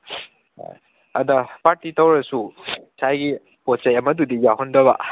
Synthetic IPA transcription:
ɐdɐpaɾtitɐwɾɐsusʰajɡi | pot͡ʃajɐmɐdudijaɦɔndɐβɐ̰

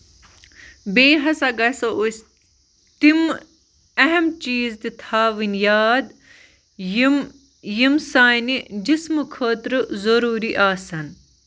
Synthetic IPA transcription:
beːɦɐsɐɡɐsous | t̪im | ɐɦɐmt͡ʃiːzt̪it̪ʰaːʋinjaːd̪ | m | jimsaːnid͡ʒismɨkʰəːt̪ɾɨzɐɾuːɾiʔaːsɐn

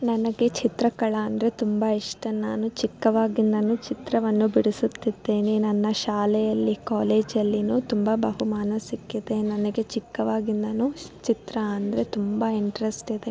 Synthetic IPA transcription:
nɐnɐɡe̞t͡ʃit̪ɾɐkɐɭɐːnd̪ɐɾe̞t̪umbaiʂʈɐnaːnut͡ʃikːɐʋaːɡind̪ɐnuːt͡ʃit̪ɾɐʋɐnːubiɽisut̪ːid̪ːeːninɐnːɐʃaːlɛjɐlːikaːleːd͡ʒɐlːinuːt̪umbɐbɐɦumaːnɐsikːid̪e̞nɐnɐɡe̞t͡ʃikːɐʋaːɡind̪ɐnut͡ʃit̪ɾɐɐnd̪ɐɾe̞t̪umbɐiɳʈɾesʈid̪e

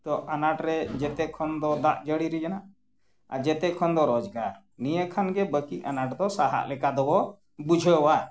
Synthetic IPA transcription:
t̪ɔʔanaʈɾɛd͡ʒɛt̪ɛʔkʰɔnd̪ɔd̪aʔd͡ʒəɽiɾid͡ʒanaʔ | a̰d͡ʒɛt̪ɛʔkʰɔnd̪ɔɾɔd͡ʒɡaɾ | nijəkʰanɡɛbəkiʔanaʈd̪ɔsaɦa̰ʔlɛkad̪ɔbɔ | bud͡ʒʱɔjɔwa

